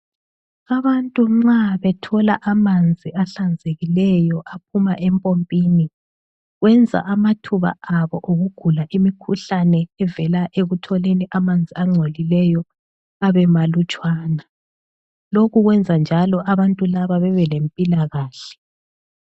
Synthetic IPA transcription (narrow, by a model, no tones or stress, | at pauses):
aβantʼuŋ͡ǀaβɛtʰɔlaʔamand͡zʱiaɬand͡zʱeɣilɛjɔʔap̚ʰumaʔɛmpʼompʼiːni | ɣwɛnd͡zʱa̰ʔamatʰuβa̰aβɔʔoɣuɡ̥ʱulaʔimikʰuɬanɛːvɛlaʔeɣutʰɔleniʔamand͡zʱiaŋ͡ǀʱolilɛjɔ | aβɛmalut͡ʃʼwaːna | lokuɣwɛnd͡zʱand͡ʒʱalɔʔaβantʼulaβaβɛβɛlempʼilaɣaːɬɛ̥